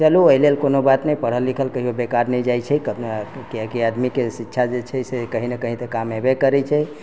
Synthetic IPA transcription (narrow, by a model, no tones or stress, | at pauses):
t͡ʃəluoilelkonobat̪nɛjpəɽ̤əlːikʰəlkəɦiobekaɾnɛjd͡ʒajt͡ʃʰɛkəkiəkiəd̪mikesitːʃʰad͡ʒet͡ʃʰɛsekəɦinekəɦĩt̪ekamebekəɾɛt͡ʃʰɛ